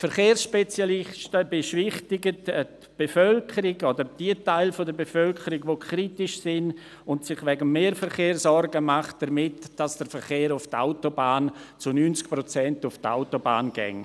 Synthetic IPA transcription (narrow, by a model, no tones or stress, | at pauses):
fəɾχeːrsʃpɛt͡sjalɪʃtəbeʃvɪχtɪɡətt | b̥efœlkʰəɾɪɡodəɾd̥iətaɪlfodəɾbefœlkʰəɾiɡvokʰɾitɪʃsɪn | ʊntsɪχvɛɡəmːeːɾfəɾχeːrsɔrɾɡəmaχt̚d̥əɾmɪtd̥asd̥əɾfəɾχeːɾʊfta̰ʊtobaːnt͡sʊnyːnt͡sk̚pɾot͡sɛntʊfta̰ʊtoba̰ːnɡɛ̰ŋ